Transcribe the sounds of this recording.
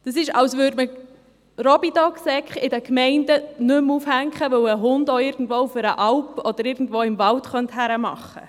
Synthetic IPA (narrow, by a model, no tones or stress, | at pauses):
d̥əsɪʃɑwsʋʉːɾdmə | ɾɔbidɔksɛkχɪdəkmɛɪndənʏmufhæŋkχəʋɵwəɦʊndoɪɾɡ̥n̩dvoːufəɾəʔɑwpɔd̥əɾɪɾɡn̩dʋoːɪmvɑltχœnthæɾəmɑ̰χːə̰